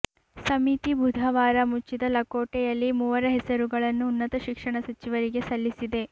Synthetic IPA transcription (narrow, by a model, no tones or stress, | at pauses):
sɐmit̪ibʱud̪ʱɐʋaːɾɐmut͡ʃːid̪ɐlɐkoːʈɛjɐlːimuːʋɐɾɐɦɛsɐɾuɡɐɭɐnːuːnːɐt̪ɐʃikʂɐɳɐsɐt͡ʃiʋɐɾiɡe̞sɐlːisid̪e̞